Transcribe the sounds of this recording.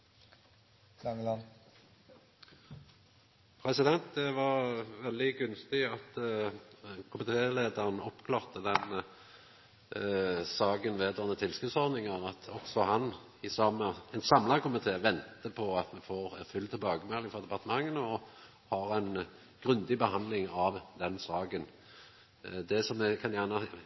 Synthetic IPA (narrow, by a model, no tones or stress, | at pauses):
ɑŋn | pʰɾɛsɪd̪ɛnt̪̚d̪ɛʋɑʁʋɛld̪ɪɡʉnst̪ɪɑt̪ | kʰʊmɪt̪ʰeːleːd̪əʁənɔpkʰlɑːʁt̪əd̪ɛn | sɑːɡənʋeːd̪oːʁnət̪ʰɪlskʉːd̪sɔʁd̪nɪŋɑʁɑt̪ʰɔksɔhɑn | ɪsɑməɛnsɑmlɑkʰʊmɪt̪ʰeːʋɛnt̪əpʰɔɑt̪mɛfoːʁfʏlt̪ʰɪlbɑːɡəmɛlːɪŋfɔd̪ɛpɑʁt̪əmɑŋːənəɔ | hɑɾɛɪn | ɡ̥ʁʉnd̪ɪbəhɑnd̪lɪŋɑʋd̪ɛnsɑːɡən | d̪ɛsɔmɛkʰɑnjæːʁnə